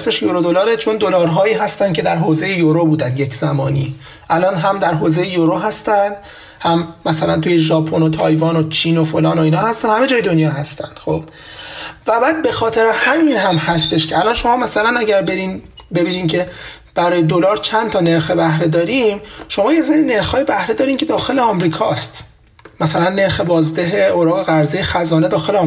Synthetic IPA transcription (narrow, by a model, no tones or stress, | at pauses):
smeʃjoɾod̪o̞lɒːɾet͡ʃʰo̞nd̪olɒːɾɦɒːjiːɦæst̪ænd̪cʰe̞d̪æɾɦoːzejejoɾobuːd̪ænd̪je̞cʰz̥æmɒːniː | ʔælɒːnɦæmd̪æɾɦoːze̞jejoɾoːɦæst̪ænd̪̥ | hæmːæsælænt̪uːjeʒɒːpʰo̞not̪ʰɒːjvɒːnot͡ʃʰiːno̞folɒːno̞iːnhɒːhæst̪ænhæme̞d͡ʒɒːje̞d̪o̞njɒːɦæst̪æ̰nd̪̥xob̥ | væbæːd̪̚be̞xɒːt̪ʰe̞ɾehæminhæmhæst̪e̞ʃcʰeælɒnʃo̞mɒːmæsælænæɟæɾbeɾinbe̞biːniːncʰe̞ | b̥æɾɒːjed̪o̞lɒːɾt͡ʃʰænt̪ʰɒːne̞ɾxebæhɾed̪ɒːɾimʃo̞mɒːjezeɾine̞ɾxhɒːje̞bæhɾed̪ɒːɾiːmcʰe̞d̪ɒːxe̞leɒmɾiːkʰɒːst̪ | mæsælænːe̞ɾxe̞bɒːzd̪eɦeoɾɒːɣe̞ɣæɾzejexæzɒːne̞d̪ɒːxe̞le